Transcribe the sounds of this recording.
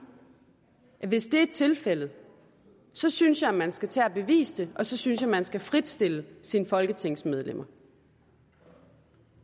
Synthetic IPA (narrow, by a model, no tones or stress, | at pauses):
ʋe̝sd̥e̝æe̥t͡sʰe̝lfel̰ð̩ˠ | sɒ̽synsjɑ̈æmænsɡ̥æt͡sʰɛæb̥e̝ʋḭːsd̥e̝ʔɒ̽sɒ̽synsjɑ̈mænsɡ̥æfʁid̥sd̥e̝ləsinfɒ̽lɡ̥ət͡sʰe̝ŋ̰smeð̞ˠlem̰ɐ